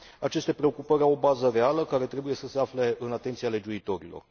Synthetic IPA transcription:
at͡ʃe̞st̪e̞pɾe̞okupəɾʲawobazəre̞aləkaɾe̞t̪ɾe̞buje̞səse̞afle̞ɨnat̪e̞nt̪siale̞d͡ʒuit̪o̞ɾilo̞̰r

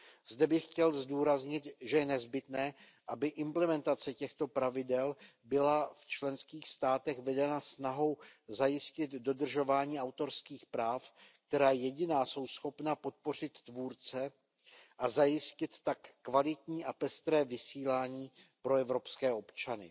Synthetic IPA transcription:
z̥dɛbɪxcɛlzduːɾazɲɪt̪ʒɛjɛnɛzbɪt̪nɛːʔabɪʔɪmplɛmɛnt̪at͡sɛcɛxt̪o̞pɾavɪdɛlbɪlaft͡ʃlɛnskiːxst̪aːt̪ɛxvɛdɛnasnaɦo̞wzajɪscɪt̪do̞d̪r̩ʒo̞vaːɲiːʔawt̪o̞ɾskiːxpɾaːfk̚t̪ɛɾaːjɛɟɪnaːso̞wsxo̞pnapo̞t̪̚po̞r̝ɪt̪ːvuːɾt͡sɛ | ʔazajɪscɪt̪ːakːvalɪt̪ɲiːʔapɛst̪ɾɛːvɪsiːlaːɲiːpɾo̞ɛvɾo̞pskɛːʔo̞pt͡ʃanɪ̰

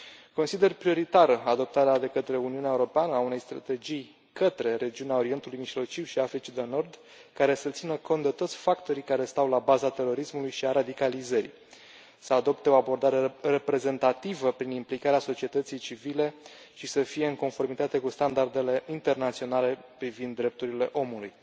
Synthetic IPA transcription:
ko̞nsid̪e̞rpɾio̞ɾit̪aɾəad̪o̞p̚t̪aɾead̪e̞kət̪ɾe̞uniunaeuɾo̞peanəaune̞jst̪ɾa̰t̪e̞d͡ʒij | kət̪ɾe̞ɾe̞d͡ʒiuneao̞ɾie̞nt̪ulujmiʒlo̞t͡ʃiwʃiafɾit͡ʃid̪eno̞rd̪ | kaɾe̞sət̪sinəko̞nt̪d̪e̞t̪o̞t̪sʲfakt̪o̞ɾijkaɾe̞st̪awlabazat̪e̞ro̞ɾismulujʃiaɾad̪ikalizəɾḭ | səad̪o̞pt̪e̞o̞abo̞rd̪aɾe̞re̞pɾe̞ze̞nt̪at̪ivəpɾinimplikaɾeaso̞t͡ʃie̞t̪ət̪sijt͡ʃivile̞ | ʃisəfije̞ɨŋko̞nfo̞rmit̪at̪e̞kust̪and̪ard̪e̞le̞int̪e̞rnat̪sio̞nale̞pɾivind̪ːɾe̞p̚t̪uɾile̞̰ʔo̞muluj

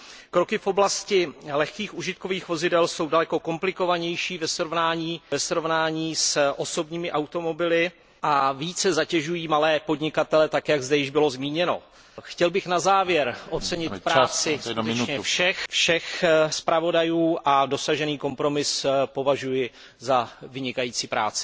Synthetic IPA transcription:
kɾo̞kɪfʔo̞blascɪlɛxkiːxuʒɪt̪̚ko̞viːxvo̞zɪdɛlso̞wdalɛko̞ko̞mplɪko̞vaɲɛjʃiːvɛsɾovnaːɲiːvɛsɾo̞vnaːɲiːsʔo̞so̞bɲiːmɪʔawt̪o̞mo̞bɪlɪ | ʔaviːt͡sɛzacɛʒujiːmalɛːpo̞dɲɪkat̪ɛlɛt̪akjaɡzdɛjɪʒbɪlo̞zmiːɲɛno̞̰ | xcɛlbɪxnazaːvjɛɾʔot͡sɛɲɪt̪pɾaaːt͡sɪskuɲɛfʃɛxfʃɛxspɾʔavo̞dajuːʔado̞saʒɛniːko̞mpɾo̞mɪspo̞vaʒujɪ | zavɪɲɪkajiːt͡siːpɾa̰ːt͡sɪ̥

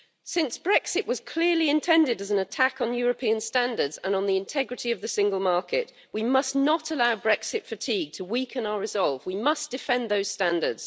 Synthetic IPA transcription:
sɪ̃nsb̥ɹɛksɪʔwɒz̥kʰl̥ɪəliɪ̃ntʰɛ̃ndɪdəzə̃nətʰakn̩jɔɹəpʰĩə̃nstæ̃ndə˞dz̥ə̃nə̃nðiɪ̃ntʰɛɡɹɨtiəvðəsɪ̃ŋɡəlˠmɑɹkɪʔ | wimʌsnətəlaʊbɹɛksɪtfətʰiɡ̚tʰəwikʰə̃naʊəɹɪzɒlˠvwimʌsd̥ɪfɛ̃nðəʊz̥stæ̃ndə̰˞dz̥

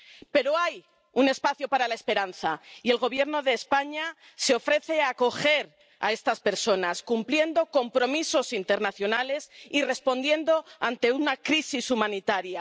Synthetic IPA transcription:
pe̞ɾo̞aj | une̞spaθjopaɾalae̞spe̞ɾanθaie̞lɣo̞β̞je̞ɾno̞ðeːspaɲa | se̞o̞fɾe̞θe̞ako̞xe̞ɾ | a̰e̞st̪aspe̞ɾso̞naskumplje̞nd̪o̞ko̞mpɾo̞miso̞sint̪e̞ɾnaθjo̞nale̞sire̞spo̞nd̪je̞nd̪o̞ant̪e̞unakɾisisumãnit̪aɾja

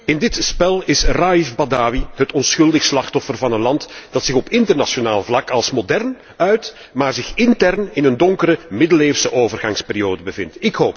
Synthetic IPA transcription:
ɪndɪtspɛlˠɪsraifbadaːwiɦətɔnsxɵlˠdəxslɑxtɔfərvɑnənlɑntd̥ɑtsɪxɔpɪntərnɑʃonaːlˠvlɑkɑlˠsmodɛrn | œɥt | maːrzɪxɪntɛrnɪnəndɔŋkəɾəmɪdəleːfsəʔoːvərɣɑŋspeːɾijoːdəbəvɪntɪkɦoːp

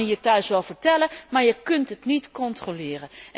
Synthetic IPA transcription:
jətːœɥsʋɛlˠvəɹtɛləmaːɹjəkɵntɦətnitkɔntrolɪːrə

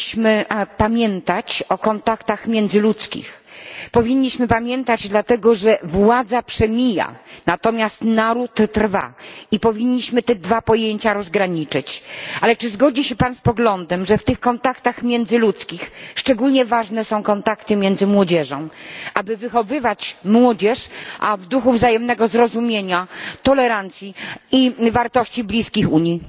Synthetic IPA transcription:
ɕmɘpamʲjɛnt̪at͡ɕɔkɔnt̪akt̪axmʲjɛnd̪zɘlut̪skʲḭxpɔvʲiɲːiɕmɘpamʲjɛnt̪ad͡ʑd̪lat̪ɛɡɔʐɛvwad̪zapʂɛmʲija̰nat̪ɔmʲjast̪naɾut̪ːɾva̰ipɔvʲiɲːiɕmɘt̪ɛd̪vapɔjeɲt͡ɕaɾɔzɡɾaɲit͡ʂɘt͡ɕalɛt͡ʂɘzɡɔd͡ʑiɕɛpanspɔɡlɔnd̪ɛmʐɛft̪ɘxkɔnt̪akt̪axmʲjɛnd̪zɘlut̪skʲixʂt͡ʂɛɡulɲɛvaʐnɛsɔ̃w̃kɔnt̪akt̪ɘmʲjɛnd̪zɘmwɔd͡ʑɛʐɔ̃w̃ʔabɘvɘxɔvɘvat͡ɕmwɔd͡ʑɛʂʔavd̪uxuvzajɛmnɛɡɔzɾɔzumʲjeɲat̪ɔlɛɾant̪sʲjiivaɾt̪ɔɕt͡ɕiblʲiskʲixuɲi

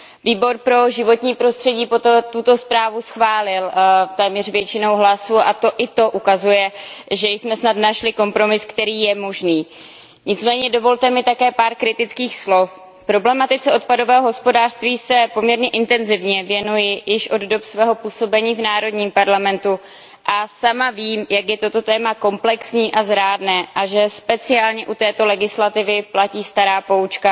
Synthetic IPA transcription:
viːbo̞ɾpɾo̞ʒɪvo̞t̪ɲiːpɾo̞st̪r̥ɛɟiːpot̪t̪ut̪o̞spɾaːvusxvaːlɪlt̪ɛːmɲɛr̝vjɛt͡ʃɪno̞wɦlasuʔat̪o̞ʔɪt̪o̞ʔukazujɛʒɛjsmɛsnat̪naʃlɪko̞mpɾo̞mɪskt̪ɛɾiːjɛmo̞ʒniː | ɲɪt͡smɛːɲɛdo̞vo̞lt̪ɛmɪt̪akɛːpaːɾkɾɪt̪ɪt͡skiːxslo̞f | pɾo̞blɛmat̪ɪt͡sɛo̞t̪̚pado̞vɛːɦo̞ɦospo̞daːr̥st̪viːsɛpo̞mɲɛɾɲɛʔɪnt̪ɛnzɪvɲɛvjɛnujɪjɪʃʔo̞ddo̞psvɛːɦo̞puːso̞bɛɲiːvnaːɾo̞dɲiːmpaɾlamɛnt̪u | ʔasamaviːmjakjɛt̪ot̪ot̪ɛːmako̞mplɛksɲiːʔazɾaːdnɛːʔaʒɛspɛt͡sɪaːlɲɛʔut̪ɛːt̪o̞lɛɡɪslat̪ɪvɪplaciːst̪aɾaːpo̞ut͡ʃka

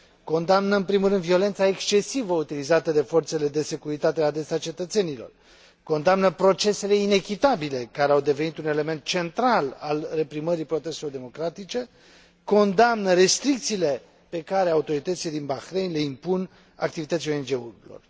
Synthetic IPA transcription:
ko̞nd̪amnəɨnpɾimulɾɨnd̪vio̞le̞nt̪saekst͡ʃe̞sivəut̪ilizat̪əd̪e̞fo̞rt̪se̞le̞d̪e̞se̞kuɾit̪at̪e̞ad̪esat͡ʃe̞t̪ət̪se̞nilo̞̰r | ko̞nd̪amnəpɾo̞t͡ʃe̞se̞le̞ine̞kʲit̪abile̞kaɾeawd̪e̞venit̪une̞le̞me̞nt̪̚t͡ʃe̞nt̪ɾalalre̞pɾiməɾipɾot̪est̪elo̞rd̪e̞mo̞kɾat̪it͡ʃe̞ | ko̞nd̪amnəɾe̞st̪ɾik̚t̪siːle̞ | pe̞kaɾeaut̪o̞ɾit̪ət̪siled̪inbaxɾejnʲle̞impun | a̰k̚t̪ivit̪ət̪sijoend͡ʒeulo̞̰r

